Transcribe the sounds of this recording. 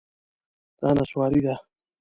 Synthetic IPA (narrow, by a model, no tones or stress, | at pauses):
t̪aːnaswaːɾid̪a